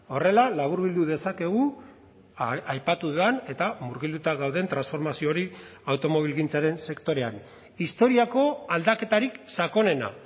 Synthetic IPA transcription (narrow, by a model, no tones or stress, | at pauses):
o̞re̞lalaβ̞uɾβild̪uðe̞sake̞ɣ̞u | ajpat̪uðuane̞t̪amuɾɣild̪ut̪aɣawðe̞nt̪ɾansfo̞ɾmasio̞ɾiawt̪o̞mo̞βilɣint͡saɾe̞nse̞kt̪o̞ɾe̞a̰n | ist̪o̞ɾiako̞ald̪ake̞t̪aɾiksako̞ne̞na̰